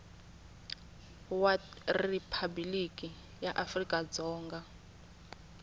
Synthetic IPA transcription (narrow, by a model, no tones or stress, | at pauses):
waripʰabilikʼi | jaʔafrikʼad͡zɔːŋɡa